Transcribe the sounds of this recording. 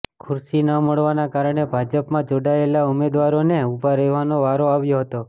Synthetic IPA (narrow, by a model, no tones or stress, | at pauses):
kʰʊɾsinəməɭʋanakaɾəɳ̃ebʱad͡ʒəpmãd͡ʒoɽaelaumed̪ʋaɾoneubʱaɾeʋanoʋaɾoaʋjoɦət̪o